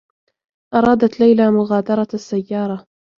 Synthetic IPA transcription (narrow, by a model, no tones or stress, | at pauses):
ʔɑɾˤɑːd̪at̪lajlaːmʊɣaːd̪ɑɾˤɑasːajːɑːɾˤɑ